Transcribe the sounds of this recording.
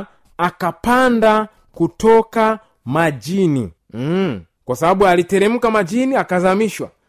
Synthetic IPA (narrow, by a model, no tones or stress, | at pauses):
akapanda | kutɔka | mad͡ʒinḭ | kwasaɓaɓualitɛɾɛm̩kamad͡ʒiniakazamiʃwa̰